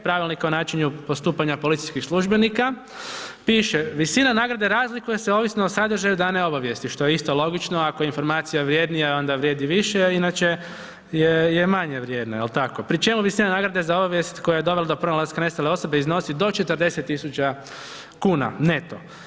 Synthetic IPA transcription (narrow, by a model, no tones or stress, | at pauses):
pɾaʋilnikonaːt͡ʃiɲupo̞st̪uːpaɲapo̞lit̪ijskixslˠuʒbe̞nika | piːʃeʋisinanaɡɾad̪e̞ɾaːzlikujeseo̞ːʋisnoosad̪r̩ʒajud̪aneo̞baʋje̞st̪iʃt̪o̞jeist̪o̞lo̞ɡit͡ʃno̞akojinfo̞ɾmaːt̪sijaʋɾjeːd̪nijao̞nd̪aʋɾjeːd̪iʋiʃeinat͡ʃe | jejemaɲeʋɾje̞ːd̪naelt̪akopɾit͡ʃe̞muʋisinanaːɡɾad̪e̞zao̞baʋje̞st̪ko̞jajed̪o̞ʋelad̪opɾonalaskane̞st̪aleo̞so̞be̞izno̞sid̪o̞t͡ʃet̪ɾd̪e̞se̞t̪ːisut͡ʃa | kuːna̰net̪o̰